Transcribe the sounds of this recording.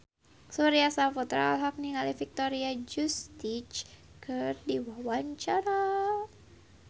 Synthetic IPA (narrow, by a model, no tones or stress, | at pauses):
suɾiasafut̪ɾa̰a̰lɦak̚niŋalifik̚t̪oɾiad͡ʒust̪it͡ʃ | kʰɨrdiwawaɲt͡ʃaɾa